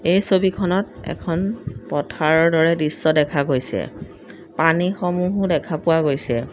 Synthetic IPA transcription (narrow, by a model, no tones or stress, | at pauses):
ejsobikʰɔnɔt̚ɛ̰kʰɔnpɔtʰaɹɔɹdɔɹɛdisːɔdɛkʰaɡojsɛ̰ | panixɔmuɦdɛkʰapʊwaɡojsɛ̰